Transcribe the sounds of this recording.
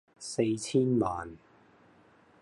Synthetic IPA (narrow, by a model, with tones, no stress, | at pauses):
se˧jt͡sʰiː˥nmaː˨n